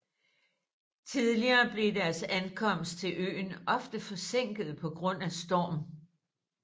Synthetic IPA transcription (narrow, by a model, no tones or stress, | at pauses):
t͡sʰiðˠliɐːb̥le̝dæɐsænkʰɒ̽m̰sd̥̚t͡sʰe̝lʔø̰ːnɒ̽fd̥əfɒ̽seŋ̰ɡ̥ð̩ˠpʰɒ̽ɡ̥ʁɔ̽n̰æsd̥ɒːm